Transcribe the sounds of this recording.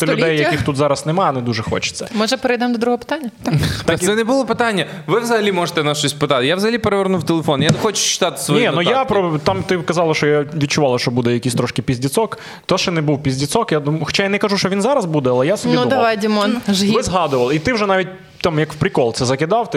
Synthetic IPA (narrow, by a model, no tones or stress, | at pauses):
sɛlʲʊdɛjːɐkixt̪ut̪zɑɾɐsnɛmɑɐnɛd̪uʒɛxɔ̰t͡ʃɪ̥sʲɐmɔʒɛpeɾɪjd̪ɛmd̪ɔd̪ɾuɦɔɔpɪ̥t̪anʲːɐt̪t̪aksɛnɛbʊlˠɔpɪt̪anʲːɐ | ʋɪʋzɐɦɐlʲimɔʐət̪ɛnɐʃt͡ʃɔsʲpɪt̪ɑt̪ɪjaʋzɐɦɐlʲipeɾeʋeɾnuwt̪elˠefɔnjanɛxɔt͡ʃʊ̥t͡ʃɪ̥t̪ɑt̪ɪ̥sʋɔjninujapɾɔt̪ɑmt̪ɪkɐzɑlˠɐʃt͡ʃɔjaʋʲid̪̚ʲt͡ʃʊʋɑlˠɐʃt͡ʃɔbud̪ɛjɐkʲisʲt̪ɾɔʃkɪpʲizʲdʲit̪sɔk | t̪ɔʃɛnɛbuwpʲizʲdʲit̪sɔkjad̪umxɔ̥t͡ʃajanɛkɐʒuʃt͡ʃɔʋʲinzɑɾɐzbud̪ɛɐlˠɛjasɔbnʲiud̪ɐʋajdʲimɔnʒʲʋɪzɦɑd̪ʊʋɐlˠɪit̪ɪwʒɛnɑʋʲit̚ʲ | t̪ɑmjɐkwpɾʲɪkɔlˠt̪sɛzɐkɪd̪ɑwt̪